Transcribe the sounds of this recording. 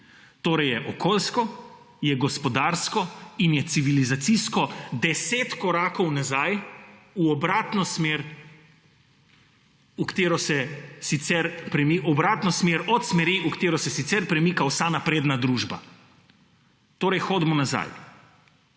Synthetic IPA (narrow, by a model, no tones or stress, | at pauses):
t̪oːɾɛjɛʔɔkoːlskɔ | jɛɡɔspɔd̪aːɾskɔinjɛt̪siʋilizat̪siskɔd̪ɛseːt̪kɔɾaːkɔwnazajuɔbɾaːt̪nɔsmeːɾ | ukt̪eːɾɔsɛsit̪sɛɾpɾɛmiɔbɾaːt̪nɔsmeɾɔt̪smɛɾiʔukt̪eːɾɔsɛsit̪sɛɾpɾɛmiːkawsanapɾeːd̪nad̪ɾuʒba̰ | t̪oːɾɛjxod̪mɔnaza̰j